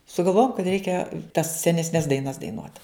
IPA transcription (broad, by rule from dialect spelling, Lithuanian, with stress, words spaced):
sʊɡɐlˠˈʋoːjoːm kɐt ˈrʲɛɪkʲɛ tɐs sʲɛnʲɛsʲˈnʲɛs dɐɪˈnɐs dɐɪˈnuɔt